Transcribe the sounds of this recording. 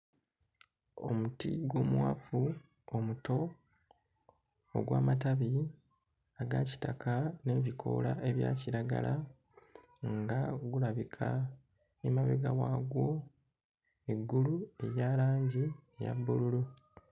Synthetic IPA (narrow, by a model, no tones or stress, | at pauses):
o̞̰mutḭɡwo̞ːmwafu | omuto̞ | ɡwaːmataβi | aɡaci̥takʰane̞ːβikʰo̞̰laʔe̞βja̰ːciɾaɡa̰la | ŋɡaɡuɾaβikʰa | emaβḛɡawaːɡwo̞ | eɡːulue̞jaːlaːɲɟieja̰bːululu